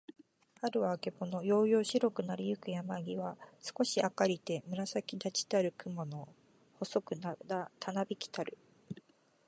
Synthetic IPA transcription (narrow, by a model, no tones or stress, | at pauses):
haɾɯ̟βaːke̞bo̞no̞jo̞ːjo̞ːɕiɾo̞kɯ̟naɾʲijɯ̟kɯ̟jamaɡʲiβasɨ̥ko̞ɕiakaɾʲit̪e̞mɯ̟ɾasakʲid̪at͡ɕi̥t̪aɾɯ̟kɯ̟mo̞no̞ | ho̞so̞kɯ̟nad̪at̪ʰanabʲikʲi̥t̪aɾɯ̟